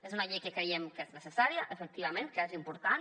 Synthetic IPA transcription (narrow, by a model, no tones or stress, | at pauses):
ezunaʎejkəkɾejemkeznesesaɾjaʔefek̚t̪iβamẽnt̪̚kazimpuɾt̪an